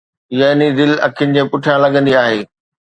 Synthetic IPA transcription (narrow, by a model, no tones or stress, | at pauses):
ɪjaɪnid̪ɪlɐ̰kʰɪnɪ̆d͡ʑẽːpʊʈʰijãlɐɠə̃nd̪iaːɦeː